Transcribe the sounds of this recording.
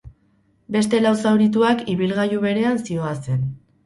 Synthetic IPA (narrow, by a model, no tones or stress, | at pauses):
be̞st̪e̞lawsawɾit̪uakiβilɣajuβe̞ɾe̞ansio̞ase̞n